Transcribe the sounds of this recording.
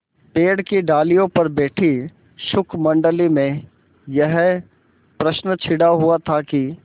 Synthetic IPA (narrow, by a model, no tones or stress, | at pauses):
peːɽkiɖaːlijõpɐɾbɛːʈʰi | ʃʊkʰmɐ̃ɳɖəlimẽ | jəɦ | pɾəʃnət͡ʃʰɪɽaɦʊat̪ʰaki